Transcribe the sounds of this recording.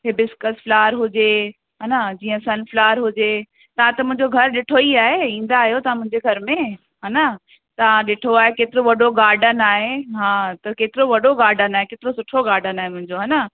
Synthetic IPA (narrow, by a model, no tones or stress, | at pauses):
ɦɪbɪskəsflaːɾɦʊd͡ʑe | ɦaːnad͡ʑiːə̃sɐnflaːɾɦʊd͡ʑe | t̪ɐʋ̤ãt̪ɐmʊ̃ɦɪ̃ɲd͡ʑoɡʱɐɾɗɪʈʰoiaːɦeĩːn̆d̪aːɦijot̪ɐʋ̤ãmʊ̃ɦɪ̃ɲd͡ʑeɡʱɐɾmẽ | ɦaːna | t̪ɐʋ̤ãɗɪʈʰoaːɦekeːt̪ɪɾoʋɐɗoɡaːɾɖənaːɦeɦãːt̪ɐkeːt̪ɪɾoʋɐɗoɡaːɾɖənaːɦekeːt̪ɪɾosʊʈʰoɡaːɾɖənaːɦemʊ̃ɦɪ̃ɲd͡ʑoɦaːna